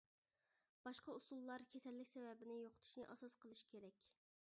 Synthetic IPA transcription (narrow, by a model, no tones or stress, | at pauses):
b̥ɑʃqɑusulˠːɑɾkʲʰɛsɛlːɪkʲsɛvɛbɪnɪjoqʰʊ̥t̪ʰu̥ʃnɨʔɑsɑsqəlˠɨʃkʲʰeɾɛkʲ